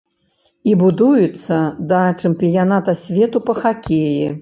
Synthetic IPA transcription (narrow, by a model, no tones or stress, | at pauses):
ibud̪ujut̪sːɐd̪ɐt͡ʂɨmʲpʲijanat̪ɐsʲvʲɛt̪upɐxakʲeji